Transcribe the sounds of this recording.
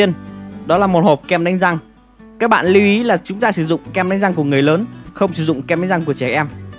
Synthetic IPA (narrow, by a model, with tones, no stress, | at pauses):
ənɗɔ˨˦laː˨˩mo˨˩ho˨˩p̚kɛ˧mɗa˨˦ŋ̟za˧ŋ | kaː˦˥k̚ɓa̰ː˧˨nli˨˧wʔi˨˦laː˨˩t͡ɕʊ˨˦ŋ͡mt̪aː˧sɨ˧˩zʊ̰˧˨ŋ͡mkɛ˧mɗŋ̟za˧ŋku˧˩əŋɨ˨˩əjləː˨˦nxə˧wŋ͡msɨ˧˩zʊ̰˧˨ŋ͡mkmɗa˨˦ŋ̟za˧ŋku˧˩ət͡ɕɛ˧˩ʔɛ˧m